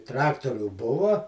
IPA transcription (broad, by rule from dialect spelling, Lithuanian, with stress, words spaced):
ˈtrɑːktoːrʲʊ ˈbʊʋɐ